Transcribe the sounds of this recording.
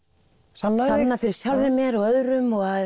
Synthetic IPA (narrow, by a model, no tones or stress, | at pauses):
samnasannafɪɾɪɾ̥sjawlvɪmjɛɾɔɣœðɾʏmɔɣað